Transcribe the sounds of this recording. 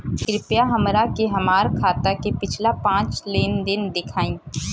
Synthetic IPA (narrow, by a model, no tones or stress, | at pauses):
kɪɾɪpjaɦɐmɾakeɦɐmaːɾkʰaːt̪akepɪt͡ʃʰlapãːt͡ʃleːnd̪ɪnd̪ɪkʰaːĩː